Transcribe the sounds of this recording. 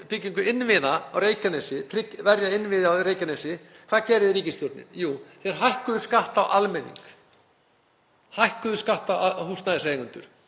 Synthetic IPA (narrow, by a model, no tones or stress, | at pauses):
pɪciŋkʏɪnːvɪðaawreːjcanɛsɪt̪ʰɾɪkvɛɾjaɪnːvɪðawɾeːjcanɛsɪ | kʰvaːðcɛːɾɪðɾiːcɪst̪jɔɾt̪nɪ̰njuːθɛɾ̥ɦajhkʏðʏ̥skaht̪awʔalmɛnḭŋk | hajhkʏðʏskaht̪awahust̪naðɪsejiŋʏnt̪ʏɾ̥